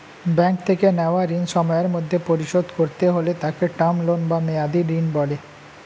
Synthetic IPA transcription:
bɛŋk̚t̪ʰekeneoaɾinʃɔmɔeɾmod̪ʱːepoɾiʃod̪koɾt̪eɦolet̪akeʈamlonbamead̪iɾinbɔle

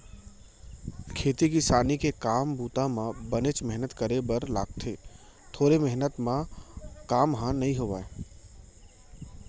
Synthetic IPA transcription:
kʰeːt̪ikisaːnikekaːmbuːt̪ãmãbənet͡ʃmɛɦnət̪kəɾebəɾla̰ːɡ̚t̪ʰeː | t̪ʰoːɾemɛɦnət̪mãkaːmɦãnɐɦĩɦoʋa̰ːe

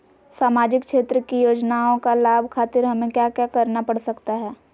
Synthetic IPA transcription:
saːmaːd͡ʒɪkʃeːt̪ɾəkijoːd͡ʒnaːõkalaːbʱkʰaːt̪ɪɾɦɐmẽkjaːkjaːkɐɾnapɐɽsɐkt̪aɦɛː

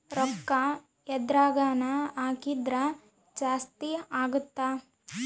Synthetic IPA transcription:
ɾɔkːɐ | jɛd̪ɾaːɡaːnɐaːkid̪ɾɐ | d͡ʒaːst̪iaːɡut̪ːa

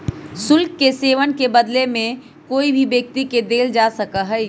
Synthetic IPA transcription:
sʊlkːeseːʋənkebəd̪lemẽ | koːibʱibjək̚t̪iked̪eːld͡ʒaːsəkaɦɛi

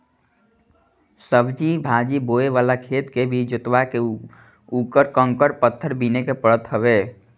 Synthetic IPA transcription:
səbʱd͡ʒibʱad͡ʒiboeʋaːlakʰeːt̪kebʱid͡ʒʊt̪wake | ukəɾkəŋkəɾpət̪ʰːəɾbinekepəɾət̪ɦəβeː

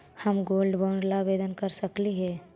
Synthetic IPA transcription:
həmɡoːlɖbaʊɳɖlabeːd̪ənkəɾsəkliɦɛː

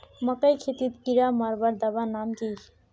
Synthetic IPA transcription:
mɐkəjkʰet̪it̪kiɾamaɾbɐɾd̪ɐbanamk̪i

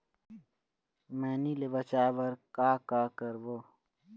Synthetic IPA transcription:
mẽːnilebɐt͡ɕaːbɐɾkaːkaːkɐɾboː

